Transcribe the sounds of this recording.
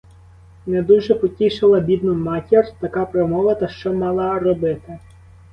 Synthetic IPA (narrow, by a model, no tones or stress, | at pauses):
ned̪uʒɛpɔtʲiʃɪlˠɐbʲid̪nɔmɑtʲirt̪ɐkɑpɾɔmɔʋɐt̪ɐʃt͡ʃɔmɑlˠɐrɔbɪt̪ɪ